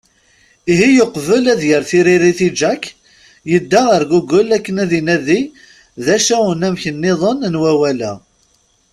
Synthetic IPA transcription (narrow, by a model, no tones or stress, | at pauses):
iɦijoqvəlæðjəɾθiɾiɾiθid͡ʒæk | jəd̪ːaəɾɡuɡəlækːənæðinæði | ðæʃæwənæmçənːɪðˤənnwæwælæ